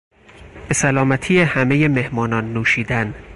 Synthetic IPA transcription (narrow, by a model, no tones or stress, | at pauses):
b̥e̞sælɒːmæt̪ʰiːjehæme̞je̞me̞hmɒːnɒːnːuːʃiːd̪æn